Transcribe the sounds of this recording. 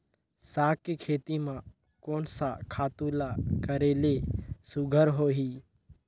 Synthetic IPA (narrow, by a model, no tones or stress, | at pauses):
sakekʰeːt̪imã | koːnsakʰaːt̪ulakəɾeːlesʊɡʱəɾɦoːɦiː